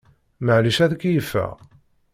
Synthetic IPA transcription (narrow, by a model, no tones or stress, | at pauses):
məʕliʃæðkːjəfːæ̰